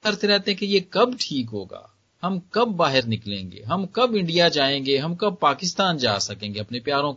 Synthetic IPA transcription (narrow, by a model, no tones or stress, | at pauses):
ɐɾt̪eɾɛɦt̪eɦɛ̃kejekɐbʈʰiːk̬ɦo̰ːɡa̰ː | hɐmkɐbːaːɦɪɾnɪklḛ̃ːŋɡḛːɦɐmkɐbɪ̃ɳɖijad͡ʒaːẽːŋɡeɦɐmkɐb̚paːkɪst̪aːnd͡ʒa̰ːsɐkẽːŋɡeɐpnepjaːɾõk